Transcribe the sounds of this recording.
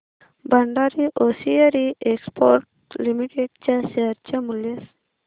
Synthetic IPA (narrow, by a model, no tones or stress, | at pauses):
baɳɖɑɾiʔosijaɾiʔekspoɾʈ̚ | limiʈeɖ̚t͡ʃaseaɾt͡ʃamules